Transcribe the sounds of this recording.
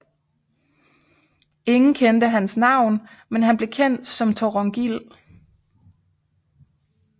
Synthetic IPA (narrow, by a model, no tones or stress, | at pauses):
e̝ŋn̩kʰend̥əɦænsnɑ̈ʊ̰n | menɦænb̥le̝kʰen̰d̥sɒ̽mt͡sʰɒʁɒŋɡ̥il